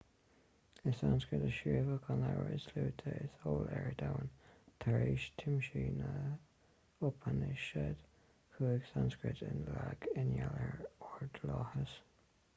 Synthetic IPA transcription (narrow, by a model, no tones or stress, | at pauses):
ɪsanskɹɪtəʃiːvəkʰɑnɛɹəɪsluːt̪ʰəɪshoːlɛɹdawnt̪ʰəɹeːʃt̪ʰɪmʃiːnə | ʊpʰənɪʃɛd̥̪ | kʰuːɪɡsanskɹɪtɪnlaɡɪnjɛləɹɔɹdlɑhəs